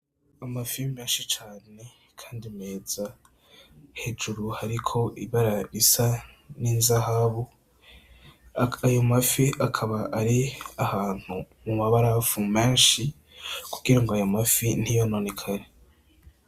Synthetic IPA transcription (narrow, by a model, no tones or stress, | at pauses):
amafilmeːnʃit͡ʃaːne̞ | kʰaːndime̞ːz̥a | he̞d͡ʒuɾuhaɾikʰo̞ʔiβaɾaɾisa | niːnzahaβu | ajo̞mafiakʰaβaʔaɾiahaːn̥hu | mumaβaɾafumeːnʃi | kuɡ̥iɾaŋɡoajo̞mafin̥ijo̞no̞nekʰaɾe